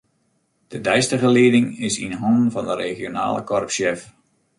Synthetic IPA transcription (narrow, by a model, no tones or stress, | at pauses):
d̥ədɛjstəɣəliədɪŋɪsinɦɔnn̩vɔndəɾeχjona̰ːlə̰kɔrpsjɛf